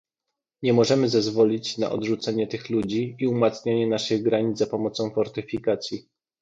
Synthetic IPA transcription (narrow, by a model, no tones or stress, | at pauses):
ɲɛmɔʐɛmɘzazvɔlʲit͡ɕna̰ʔɔ̰d̪ʐut̪sɛɲɛt̪ɘxlud͡ʑiiumat̪sɲaɲɛnaʂɘɣɡɾaɲid̪apɔmɔt̪sɔ̃w̃fɔɾt̪ɘfʲikat̪sʲji